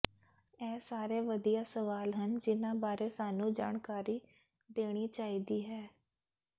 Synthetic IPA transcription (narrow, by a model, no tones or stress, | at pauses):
ɛːsaːɾeːʋəd̪ijaːsəʋaːlɦənd͡ʒɪnãːbaːɾeːsaːnũːd͡ʒa̰ːɳkaːɾiː | d̪eːɽ̃iːt͡ʃaːiːd̪iːɦɛː